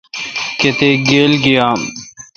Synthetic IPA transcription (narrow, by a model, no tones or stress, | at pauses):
ket̪eːɡeːlɡijaː